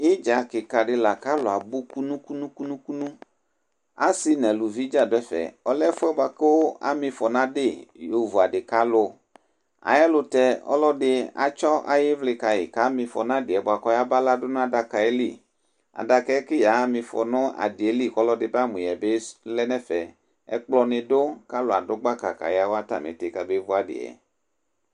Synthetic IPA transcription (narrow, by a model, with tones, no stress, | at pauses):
ɪ˦d͡ʒa˨kɪ˨ka˨ɖɪ˦la˨ka˦lʊ˨a˨bu˦ku˦nũ˦ku˦nũ˦ku˦nũ˦ku˦nũ˦ | a̰˦sɪ˦nɛ̃˨lʊ˨vi˦d͡ʒa˦dɛ˦fɛ̰˨ɔ˦lɛ˦fʊ˦ɛ˦ba˨kɪ˦wo˦a̰˨mɪ̃˨fɔ˨nã˦dɪ˦˨jo˨vu˨a˨dɪ˨ka˨˦lʊ˦ | a̰˨jɛ˦lʊ˨tɛ˦ɔ̰˦lɔ˦dɪ˦a̰˨t͡ʃɔ˦ʔa̰˨jɪ˦vlɪ˨ka˨jḭ˨ka˨˦mĩ˧fɔ˨nã˦dɪ˨ɛ˨bo˨a˨kɔ˨˦ja˦ba˦la˦dʊ˦ñ˦a˦da˨ka˨ɛ˦li˦˨ | a̰˨da˧kɛ˦kɪ˦ja˨˦mĩ˨fɔ̰˨nɔ̃˦a̰˨di˨e˦li˦kɔ˦lɔ˦dɪ˨˦ba˦mũ˨ɛ˨be˦lɛ˦nɛ˦fɛ˨ | ɛ̰˦k͡plɔ˨˧nɪ̃˨do˦ka˦lʊ˨a˨dʊ˦ɡ͡ba˦ka˨ka̰˨jɪ˦a˦wo˦a˦ta̰˨mḛ̃˨t̪e˨ka˨be˦vo˦a˨dɪ̰˨ɛ̰˨